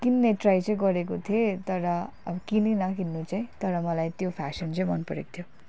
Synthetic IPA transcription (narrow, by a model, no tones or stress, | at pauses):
kinːeʈrajt͡sʌĩɡʌɾekot̪ʰiet̪ʌɾʌ | ʌkininʌkinːut͡saĩt̪ʌɾʌmʌlajt̪jopʰasʌnt͡sãĩmʌnpʌɾḛko̥t̪ʰjo